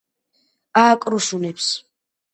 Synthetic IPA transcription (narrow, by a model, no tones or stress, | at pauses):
aːkʼɾuʃunɛpʰs